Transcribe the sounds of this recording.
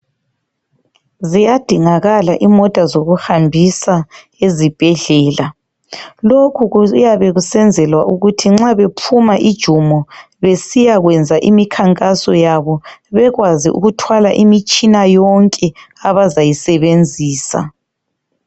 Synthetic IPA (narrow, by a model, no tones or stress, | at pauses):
zijad̥ʱiŋaɣalaʔimɔtʼazoɣuhambʱisa | ezib̥ʱɛɮɛːla | lokʰujaβɛɣusɛnd͡zʱɛlwaʔuɣutʰiŋ͡ǁaβepʰumaʔid̥ʒ̥ʱumɔ | βesijaɣwɛnd͡zʱaʔimikʰaŋkʼasɔjaβɔβɛɣwaziʔṵɣutʰwalaʔimit͡ʃʼinajɔŋkʼɛ | aβazajisɛβend͡zʱiːsa̰